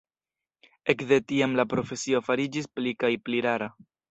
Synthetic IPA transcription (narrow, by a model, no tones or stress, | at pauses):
e̞kde̞tiamlapɾo̞fe̞sio̞faɾid͡ʒisplikajpliɾaɾa